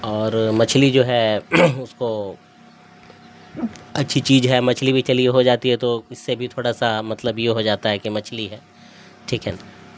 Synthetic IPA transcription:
ɔːɾmɐt͡ʃʰlid͡ʒoːɦɛʊsko | ɐtːʃʰit͡ʃiːzɦɛmɐt͡ʃʰlibʱit͡ʃɐlieɦod͡ʒaːt̪iɦɛt̪oɪsːebʱit̪ʰoːɽasamɐt̪ləbjeɦod͡ʒaːt̪aɦɛkimɐt͡ʃʰliɦɛː | ʈʰiːkɛn

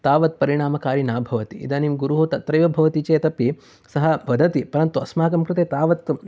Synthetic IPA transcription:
t̪aːʋɐt̪̚pɐɾiɳaːmɐkaːɾinaːbʱɐʋɐt̪iʔḭd̪ɐnimɡuɾuɦut̪ɐt̪ɾɐjʋɐbʱɐʋɐt̪it͡ʃeːt̪ɐpːi | sɐɦɐʋɐd̪ʱɐt̪ipɐɾɐnt̪uɐsmaːkɐmkɾɪt̪eːt̪aːʋɐt̪

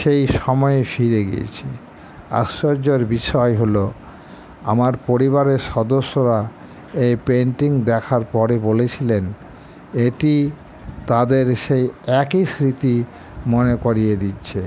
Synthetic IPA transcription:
ʃejʃɔmɔeefiɾeɡḭḛt͡ɕʰi | a̰sːoɾd͡ʑeɾbiʃɔeɦolo | a̰maɾpoɾiβaɾeɾʃɔd̪oʃːoɾa | ejpeɳʈiŋd̪ɛkʰaɾpɔɾebolet͡ɕʰilen | eʈi | t̪ad̪eɾʃejɛkisɾit̪i | monekoɾied̪itːɕʰe

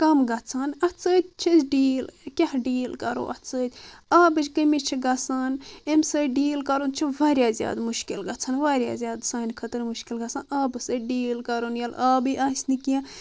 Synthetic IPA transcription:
kɐmɡɐt͡sʰaːnɐt͡səːt̪̚ʲt͡ʃʰizɖiːlkʲehɖiːlkɐɾo̰ʔɐ̰t͡səːt̪ʲaːbɨd͡ʒʲkəmit͡ʃʰiɡɐsaːnemsəjɖiːlkɐɾont͡ʃʰiʋaːɾʲjaːzja̰ːd̪muʃkilɡɐt͡sʰanʋaːɾʲja̰ːzʲjaːd̪saːnkʰɐt̪əɾmuʃkilɡɐsaːnaːbɨsəɖiːlkɐɾoːnjalaːbɨʔaːsʲnikiã

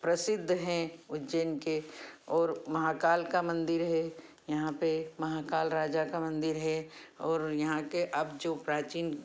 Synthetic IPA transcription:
pɾɐsɪd̪ʱːɦɛ̃ʊd͡ʒenkeɔːɾmɐɦaːkaːlkamɐ̃nd̪ɪɾɦɛ | jɐɦãpemɐɦaːkaːlɾaːd͡ʒakamɐ̃nd̪ɪɾɦɛɔːɾjɐɦãkeʔɐbd͡ʒopɾaːt͡ʃiːn

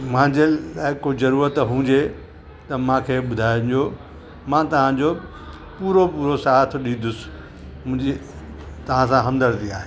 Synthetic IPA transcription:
mãːɲd͡ʑelaːɪkozɐɾuːɾət̪ɦũːɲd͡ʑe | t̪ɐmãːkʰeːɓʊd̪ʱaːjʊ̃nd͡ʑoː | mãt̪ɐʋ̤ãd͡ʑo | puːɾopuːɾosaːt̪ʰɪɗĩːnd̪ʊsɪ̥ | mʊ̃ɦɪ̃d͡ʑi | t̪ɐʋ̤ãsãɦɐ̃md̪əɾt̪iaːɦeː

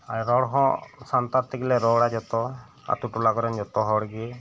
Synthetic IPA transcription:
aɾɾɔɽɔɦɔ̃sant̪aɾt̪ʰikilɛɾɔɽad͡ʒɔt̪ɔ | a̰t̪uʈulakɔɾɛnd͡ʒɔt̪ɔɦɔɽɡi

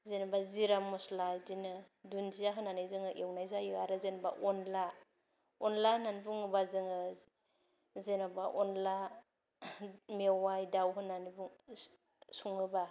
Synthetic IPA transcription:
zenabaziɾamɔslajdinɯ | dunzijaɦɯnːanajzɯŋɯʔewnajzajɯaɾɯzenba̰ʔɔnla | ɔnlahɯnanibuŋɯbazɯŋɯ | zenabaʔɔnla | mewajdawɦɯnːanibuŋ | suŋɯba

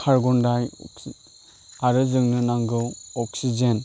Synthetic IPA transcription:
kʰaɾɡɔndaj | aɾɯzɯŋnɯnaŋɡɯwɔk̚sid͡ʒen

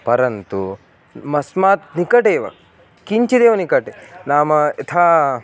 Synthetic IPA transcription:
pɐɾɐnt̪u | mɐsmaːt̪̚nikɐʈeːʋɐ̰ | kiɲt͡ʃɐd̪eːʋɐnikɐʈenaːmɐet̪ʰaː

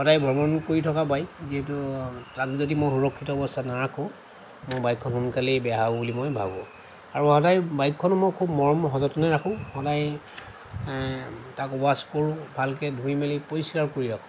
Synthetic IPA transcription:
hɔdajbʱɔɹbɔɔnkoɹitʰɔkabajziɦɛtutakzodimoxuɹɔkʰːitɔɔbɔstʰanaɹakʰɔ̃ | mojbajkʰːɔnɦunkalibɛɦabulimojbʱa̰bɔ̰ | aɹuhɔdajbajkʰːɔnʊmɔjkʰubmɔɹmɦɔzɔtɔnɛɹakʰʊ̃hɔdaj | takɔbaskoɹʊ̃bʱalkɛdʱuimelipoɹislaɹkoɹiɹakʰʊ̃

